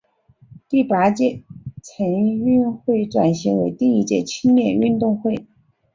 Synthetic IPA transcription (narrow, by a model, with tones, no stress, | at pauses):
t̪i˥˩pa˧˥t͡ɕjɛ˥˩t͡sʰə˧˥nŋy˥˧nxwe˥˩ɪʈ͡ʂwa˨˩nɕi˧˥ŋwe˧˥ɪt̪i˥˧ŋi˥t͡ɕjɛ̰˥˩t͡ɕʰi˥ŋljɛ˥˧ny˥˧nt̪ʊ˥˧ŋxwe˥˩ɪ